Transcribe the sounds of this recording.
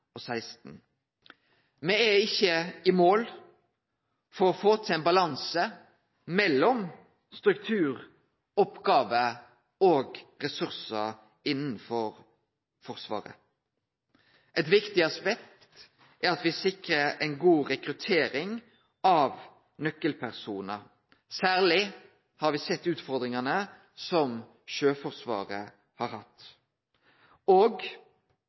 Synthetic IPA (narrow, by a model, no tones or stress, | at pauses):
ɔsæɪst̪n̩ | mɛɛɪçːəɪmoːl | fɔɾɔfoːt̪ʰɪlɛnbɑlɑnsə | mɛlːɔm | st̪ɾʉk̚t̪ʰʉːʁ | ɔpɡɑːʋə | oːɡʁɛsʉɾsə | ɪnːən̩fɔɾ | fɔʁsʋɑ̰ːɾə̰ | ʔɛt̪ʋɪkt̪ɪɑspɛk̚t̪t̪ | ʔæɾɑt̪ʋɪsɪkɾəɾɛɪnɡuːʁɛkɾʉt̪ʰeːɾɪŋ | ɑːʋ | nœkːəlpʰæʁsuːnə | sæːʁlɪ | hɑɾʋɪsɛt̪ːʉːt̪fɔʁd̪ɾɪŋɑnə | sɔm | ʃøːfɔʁsʋɑ̰ːʁə | hɑːɾhɑt̪ː | oːɡ